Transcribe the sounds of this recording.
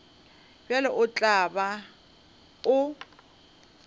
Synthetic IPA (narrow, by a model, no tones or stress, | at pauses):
bjalɛʔʊt͡ɬʼaba | ʊ